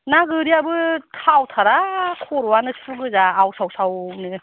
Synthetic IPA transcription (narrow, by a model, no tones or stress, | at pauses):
naɡɯɾiabɯtʰawtʰaɾakʰɔɾwanɯsuɡɯzaːwsawsawnɯ